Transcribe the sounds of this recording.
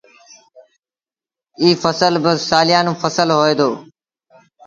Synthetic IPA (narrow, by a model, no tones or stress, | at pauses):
iːfəsəlbəsaːlɪjaːnũːfəsəlɦoːeːd̪oː